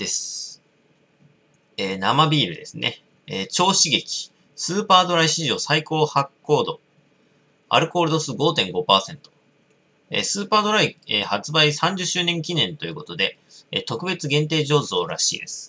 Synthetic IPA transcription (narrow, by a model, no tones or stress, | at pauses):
d̪̥e̞sɨ̥ | eːnamabʲiːɾɯ̟d̪e̞sɨnʔḛ | et͡ɕo̞ːɕiɡe̞kʲi̥ | sɨːpaːd̪o̞ɾaiɕiʑo̞ːsaiko̞ːhakːo̞ːd̪o̞ | a̰ɾɯ̟ko̞ːɾɯd̪o̞sɨɡo̞ːt̪ẽ̞ŋɡo̞paːsẽ̞nt̪o̞̥ | ḛsɨːpaːd̪o̞ɾaiehat͡sɨbaisãɲ̟d͡ʑɨɕːɨːnẽ̞ŋkʲinẽ̞nt̪o̞jiɯ̟ko̞t̪o̞d̪e̞ | ḛt̪o̞kɯ̟be̞t͡sɨɡẽ̞nt̪e̞ːʑo̞ːzo̞ːɾa̰ɕḭːd̪e̞sɨ̥